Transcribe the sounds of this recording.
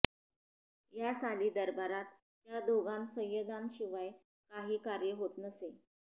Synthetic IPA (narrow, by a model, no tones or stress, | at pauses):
jasaliːd̪əɾbaɾat̪̚ː | jad̪ʱoɡansə̃jəd̪anɕiʋaj | kaɦiːkaɾjəɦot̪nəse